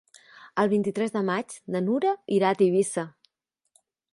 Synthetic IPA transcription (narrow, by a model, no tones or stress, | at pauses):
əlˠβ̞int̪it̪ɾɛzðəmad͡ʒnənuɾəiɾat̪iβisə